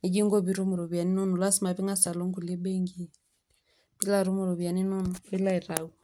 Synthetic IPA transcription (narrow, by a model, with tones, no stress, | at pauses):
ne˨ɡi˦ŋɡo˦βi˦ɾu˦mu˨ɾo˨βja˨ni˦no˦nu˨la˦si˦ma˨βi˦ŋa˦sa˨lo˦ŋɡu˨le˦be˦ŋɡi˦ | bi˦la˦ɾu˦mu˨ɾo˨βja˨ni˦no˦nu˨i˦la˦i˨ɾa˨u˦